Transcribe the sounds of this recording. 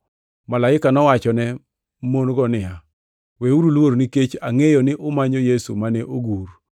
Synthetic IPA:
malaɪkanɔwat͡ʃɔnɛ | monɡɔnɪa | weuɾulwoɾniket͡ʃaŋejonɪʔʊmaɲojesṵmanɛʔoɡuɾ

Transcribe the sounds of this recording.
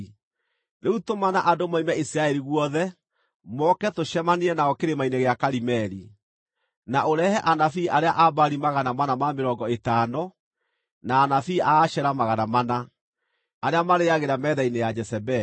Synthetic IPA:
neutomanaʔadomaimɛisiɾaɛɾiɣwɔðɛ | mɔkɛtoʃɛmaneɛnaɣɔkeɾemaineɣeakaɾimɛɾi | naʔoɾɛhɛʔanafiːʔaɾeaʔabaɾimaɣanamanamameɾɔːŋɡɔetaːnɔ | naːnafiːʔaːʃɛɾamaɣanamana | aɾeamaɾeaɣeɾamɛðainejad͡ʒɛsɛbɛ

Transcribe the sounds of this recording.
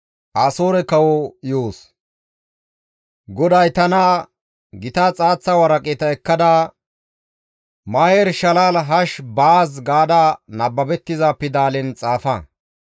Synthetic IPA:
ʔaːsoːɾɛkɐwɔjoːs | ɡɔd̪ɐjt̪ɐnɐ | ɡɪt̪ɐːt͡sʼaːt͡sːɐwɐɾɐkʼeːt̪ɐɛkːɐd̪ɐ | maːjɛɾʃɐlaːlɦɐʃbaːs̬ɡaːd̪ɐnɐbːɐbɛt̪ːɪzaːpːɪd̪aːlɛnt͡sʼaːfɐ

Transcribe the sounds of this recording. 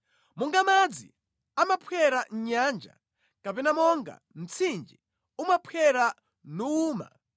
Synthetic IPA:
muŋɡamad͡zḭ | amapʰwjɛɾan̩ɲaːnd͡ʒa̰ | kapɛnamɔŋɡa̰ | m̩t͡sʰind͡ʒi | umapʰwɛɾa | nuːma̰

